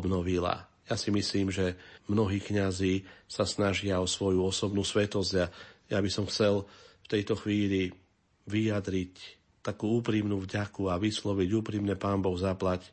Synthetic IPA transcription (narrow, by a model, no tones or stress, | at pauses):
bnɔʋila̰ | jasimisliːmʒɛmnɔɦiːkɲaziːsasnaʒɪaɔsʋɔjuɔsɔbnuːsʋɛt̪ɔzɟajabisɔmxt͡sɛlft̪ɛjt̪ɔxʋiːʎi | ʋijad̪ɾic | t̪akuːuːpɾimnuːvɟakuaʋislɔʋiɟuːpɾimnɛpaːnbɔɣzaplac